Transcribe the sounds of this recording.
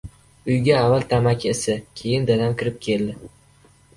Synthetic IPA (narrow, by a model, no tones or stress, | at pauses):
ʊjɡʲaːvalt̪ʰamakʲʰesakʲʰe̞jɪnd̪ad̪amkʲʰɪɾɪp̚kʲʰe̞ld̪ɪ